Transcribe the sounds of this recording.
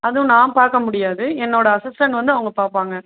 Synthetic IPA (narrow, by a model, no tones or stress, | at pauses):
ɐðɯ̃nãːmpaːɾkɐmʊɽɪjaːðɯɛnːoːɽɐɐsɪsʈɐɳʋɐnd̪ɯɐʋɐŋɡɐpaːɾpaːŋɡɐ